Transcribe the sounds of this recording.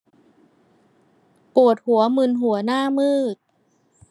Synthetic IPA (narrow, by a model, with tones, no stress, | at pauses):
pu˨˩ət̪̚hu˩˦ɐmɯ˧nɦu˩˦ɐnaː˥˩mɯː˥˩k̚